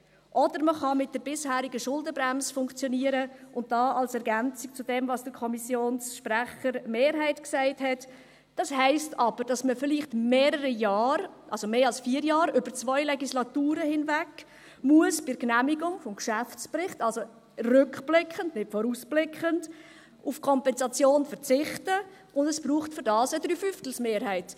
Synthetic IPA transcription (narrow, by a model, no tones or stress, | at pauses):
ʔɔdəɾməχɑmɪt̚d̥əɾbɪshæːɾiɡəʃʊldəbɾæmsəfʊŋkt͡sjɔniəɾəʔʊnt̚d̥ɑːʔɑlsɛɾɡænt͡sik̚t͡sʊdɛmvɑsd̥əɾkʰɔmisjoːnsʃpɾæχəɾmeːɾɦæɪtksæɪthɛt | d̥ɑshæɪstɑb̥əɾd̥ɑsməfɪliχtmeːɾəɾəjɑːɾʔɑlsomeːɑlsfiːɾjɑːɾʏb̥əɾt͡svɔʏlɛɡislɑtuːɾəhɪnvæk | muəsb̥ɪɾknæmiɡʊŋfɔmkʃæft͡spɾɪχtɑlso | rʏkb̥lɪkʰχəndnɪtfɔɾusblɪkχənt | ufkʰɔmpɛnzɑt͡sjoːnfəɾt͡sɪχtə | ʊndəsb̥ɾuːχtfʏɾdɑːsədɾyːfʏftl̩smeːɾɦæɪt